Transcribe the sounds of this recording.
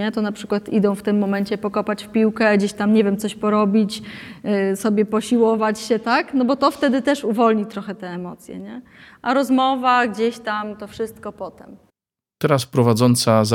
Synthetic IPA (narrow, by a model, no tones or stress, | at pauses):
ɛt̪ɔnapʂɘ̥kwat̪id̪ɔ̃w̃ft̪ɘmːɔmɛɲt͡ɕɛpɔkɔpat͡ɕfpʲiwkɛɡd͡ʑeɕt̪amɲɛvʲjɛmt̪sɔɕpɔɾɔbʲit͡ɕ | sɔbʲjɛpɔɕiwɔvat͡ɕɕɛt̪aknɔbɔt̪ɔft̪ɛd̪ɘt̪ɛʂuvɔlɲit̪ɾɔxɛt̪ɛːmɔt̪sʲjɛ̰ɲɛ | ʔaɾɔzmɔvaɡd͡ʑeɕt̪amt̪ɔfʂɘst̪̚kɔpɔt̪ɛm | t̪ɛɾaspɾɔvad̪zɔnt̪saz